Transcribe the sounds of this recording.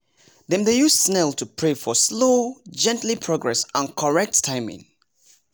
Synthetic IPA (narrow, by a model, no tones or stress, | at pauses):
ðɛ̃mdejussnɛltʰupʰɹefɔslod͡ʒɛ̃ntlipʰɹoɡɹɛsə̃nkʰɔɹɛk̚ttʰãɪ̃mɪ̰̃ŋ